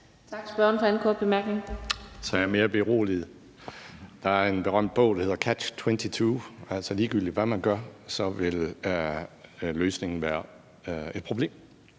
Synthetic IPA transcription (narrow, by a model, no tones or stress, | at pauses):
t͡sʰɑɡ̥sb̥ɶɐn̩fɒ̽enkʰɒːd̥̚b̥emæɐɡ̥ne̝ŋsɒ̽jæɐme̝ːɐb̥e̝ʁo̝̰ːlið̩ˠ | d̥ɑ̈æɐe̝nb̥e̝ʁɶm̰d̥̚b̥ɔ̽ʊ̰d̥ɑhe̝ð̰ˠɐkʰæ̥t͡sʰwent͡sʰit͡sʰuːæl̰sɒliːɡ̥yl̰d̥iʋæmænɡ̥ɶɐ̰sɒ̽ʋe̝l | løːsne̝ŋn̩ʋæːɐ | e̝d̥̚pʰʁoble̝̰ːm